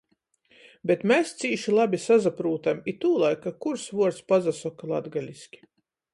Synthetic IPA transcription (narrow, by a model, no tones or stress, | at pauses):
bʲet̪mest̪siːʃilˠabʲisazapɾuːt̪amit̪uːlˠajkakuɾsvuɔɾt̪spazasɔkalˠad̪ɡalʲiskʲi̥